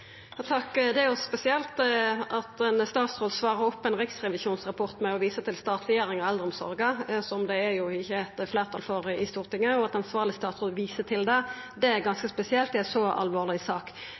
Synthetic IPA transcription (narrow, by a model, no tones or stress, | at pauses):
jɑt̪ʰɑkːd̪ɛæɾjʊspɛsɪɛlt̪ʔɑt̪ɛnst̪ɑːt̪sɾoːd̪sʋɑːʁəɔpːɛnʁɪksɾɛʋɪsuːnsʁɑpʰɔʁt̪mɛɔʋiːsət̪ʰɪlst̪ɑːt̪ɾɛjeːɾɪŋɔɛld̪ɾɔmsɔ̰ɾɡəsɔmd̪ɛæɾjʊɪçːəɛt̪fleːʁt̪ʰɑ̰lfɔɾɪst̪uːʁt̪ɪŋːəɔɑt̪ɑnsʋɑːʁlɪst̪ɑːt̪sʁoːd̪ʋiːsət̪ʰɪld̪ɛ | d̪ɛæɾɡɑnskəspɛsɪɛlt̪̚d̪ɛæsɔɑ̰lʋoːlɪsɑːk